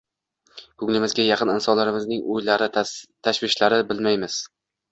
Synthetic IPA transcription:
kʰʊŋlɪmɪzɡʲajɑqʰɨnɪnsɒnlaɾɪmɪznɪŋʔʊjlaɾɪt̪ʰaʃvɪʃlaɾɪbɪlmajmɪz̥

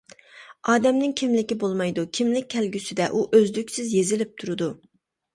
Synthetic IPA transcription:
ɑːd̪ɛmnɪŋkʲʰimlɪkʲibolˠmɑjd̪ukʲʰimlɪk̚ʲʰːɛlɡʲysɪd̪ɛʔuʔøzlykʲsɪzjezɪlɪp̚t̪ʰuɾud̪u

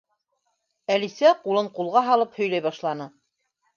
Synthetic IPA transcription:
ælisæqulˠɤɴqulˠʁɑɦɑlˠɤphɵ̆jlæjβɑʃlˠɑnɤ

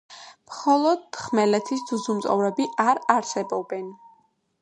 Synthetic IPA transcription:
mχɔlˠɔd̪̚χmɛlɛt̪ʰisd̪uzumt̪sʼɔ̰vɾɛbiʔaɾaɾsɛbɔbɛn

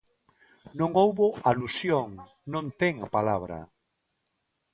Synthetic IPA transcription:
nõŋowβoʔalusjoŋ | nõnt̪ɛŋapalaβɾa̰

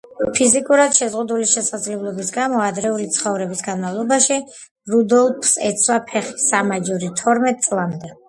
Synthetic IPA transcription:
pʰizikʼuɾad̪̥ʃɛzʁud̪uliʃɛsad̪zlɛblˠɔbisɡamɔad̪ɾɛulit̪sʰχɔvɾɛbisɡanmavlˠɔbaʃi | ɾud̪ɔlˠpʰsɛt̪sʰwapʰɛχi̥samad͡ʒuɾit̪ʰɔɾmɛt̪̚ʼsʼlˠamd̪ɛ

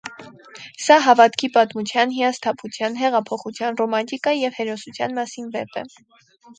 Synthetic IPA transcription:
sɑɦɑvɑt̪kʰipɑt̪mut͡sʰjɑnɦiɑst̪ʰɑpʰut͡sʰjɑnɦɛʁɑpʰɔχut͡sʰjɑnrɔmɑnt̪ikɑjɛvhɛɾɔsut͡sʰjɑ̰nmɑsinvɛpɛ̰

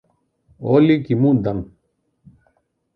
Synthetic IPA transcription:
oːlikimũːd̪ɐn

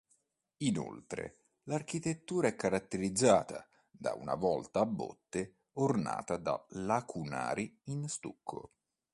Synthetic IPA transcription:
ino̰lt̪ɾḛ | lark̟it̪et̪ːuːɾaɛkːaɾat̪ːeɾid̪zːaːt̪a | d̪a̰ṵna̰vɔlt̪aːbːo̰t̪ːe | orna̰ːt̪ad̪a̰lakʰuna̰ːɾiinst̪ukʰːo̰

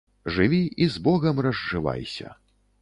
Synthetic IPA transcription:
ʐɨvʲiizbɔɣɐmrɐzːɨva̰jsʲɐ̰

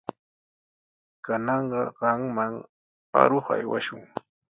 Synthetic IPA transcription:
kanɑɴɢɑɢɑŋmaŋ | a̰ɾoχa̰jwaʃʊŋ

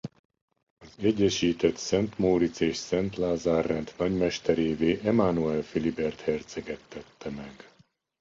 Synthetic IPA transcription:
ɒzɛɟːɛʃiːt̪ɛt̪sɛnt̪moːɾit̪seːʃsɛnt̪laːzaːrːɛnt̪nɒɟmɛʃt̪ɛɾeːveːʔɛmaːnuɛlfilibɛrt̪hɛrt̪sɛɡɛt̪ːɛt̪ːɛmɛɡ

